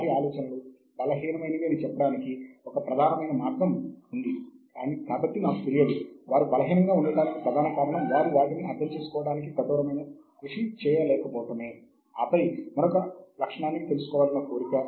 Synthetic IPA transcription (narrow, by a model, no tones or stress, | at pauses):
aːɾiaːlɔːt͡ʃɐnɐlu | bɐlɐɦiːnɐmɐjnɐʋiɐnit͡ʃɛpːɐɽaːnikiɔkɐpɾɐd̪ʱaːnɐmɐjnɐmaːt̪ɾɐmund̪ikaːnit̪aːpɐt̪ːinaːkut̪eɾijɐluʋaːɾubɐlɐɦiːnɐŋɡaːuɳɖɐɽaːnikipɾɐd̪ʱaːnɐkaːɾɐɳɐmʋaːɾuʋaːʈiniɐd̪ːɐmt͡ʃe̞ːsu̥kɔːʋɐɽaːnik̬it̪ɐd̪ɔːɾɐmɐjnɐ | kɾuʂit͡ʃɛːjɐlɛːkɐpɔːʈɐmeː | aːpɐjmɐnɔkɐlɐkʂɐɳaːnːit̪elusu̥kɔːʋaːlɐnːɐkoːɾikɐ